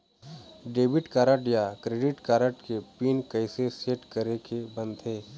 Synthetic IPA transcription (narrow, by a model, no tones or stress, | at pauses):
ɖeːbɪʈkaːɾəʈjakɾeːɖɪʈkaːɾəʈkepiːnkɐɪseseːʈkəɾekebə̃nd̪ɦeː